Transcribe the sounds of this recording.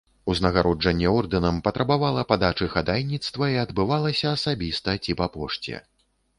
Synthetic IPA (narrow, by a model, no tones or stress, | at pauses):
uznɐɣaɾɔd͡ʐɐnʲːɛɔrd̪ɨnɐmpɐt̪ɾɐbavalˠɐpad̪at͡ʂɨxad̪ajnʲit̪st̪vɐiɐd̪bɨvalˠɐsʲɐːsabʲist̪ɐt͡sʲipapɔʂt͡sʲɛ̰